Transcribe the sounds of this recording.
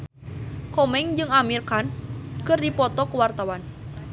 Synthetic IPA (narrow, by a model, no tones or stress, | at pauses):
kɔmɛŋd͡ʒɨŋamirkankɨrdipɔt̪ɔkuwart̪awan